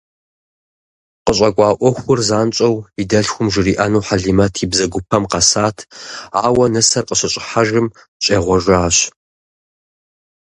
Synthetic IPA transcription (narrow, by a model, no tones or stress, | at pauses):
qəɕʼɐkʷʼɑːʔʷɔxʷʊrzaːnt͡ʃʼɐwidɐɬxʷʊmʒɪriːʔɐnuwħaɮimɐtʰiːbzɐɡʷʊpʰɐmqɐsaːtʰaːwɐnɨsɐrqəɕɐɕʼɪħaʒɪm | ɕʼeːʁʷɔʒʷaːɕ